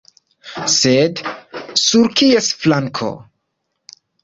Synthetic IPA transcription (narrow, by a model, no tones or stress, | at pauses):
sed̪suɾkʰiesflaŋkʰo̰